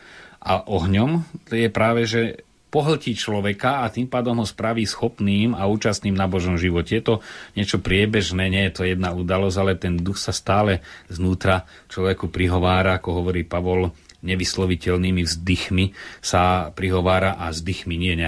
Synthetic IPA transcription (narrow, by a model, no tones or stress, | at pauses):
ʔaʔɔɦɲɔmjɛpɾaːʋɛʒɛ | pɔɦl̩cit͡ʃlɔʋɛkaːt̪iːmpaːd̪ɔmɦɔspɾaʋiːsxɔpniːmauːt͡ʃast̪niːmnabɔʒɔmʒiʋɔcɛjɛt̪ɔɲɪɛt͡ʃɔpɾɪɛbɛʒnɛːɲɪɛjɛt̪ɔjɛd̪naud̪alɔzɟalɛt̪ɛnd̪uxsast̪aːlɛznuːt̪ɾa | t͡ʃlɔʋɛkupɾiɦɔʋaːɾaːkɔɦɔʋɔɾiːpaʋɔlɲɛʋislɔʋicɛlniːmivzd̪ixmisapɾiɦɔʋaːɾaʔazd̪ixmiɲɪɛɲɛ